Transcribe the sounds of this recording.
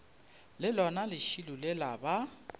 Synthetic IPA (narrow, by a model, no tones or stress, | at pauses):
lɪlɔnalɪʃilulɪlaba